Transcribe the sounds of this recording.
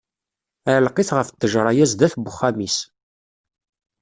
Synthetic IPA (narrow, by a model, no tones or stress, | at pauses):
æʕlqiθʁəft̪ːəʒɾˤɑjæzðæθbʊχːæmis